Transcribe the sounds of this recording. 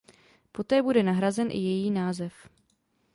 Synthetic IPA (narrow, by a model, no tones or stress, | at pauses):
po̞t̪ɛːbudɛnaɦɾazɛnʔɪ̰jɛjiːnaːzɛf